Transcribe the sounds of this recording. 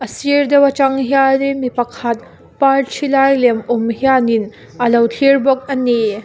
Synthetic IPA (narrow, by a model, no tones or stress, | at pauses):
ɐsiɾd̪ewɐt͡ʃaŋɦijanimipɐkʰat̪̚ | paɾt͡ʃʰilajlemumhijanin | ɐlɐwtʰiɾbɔk̚ɐni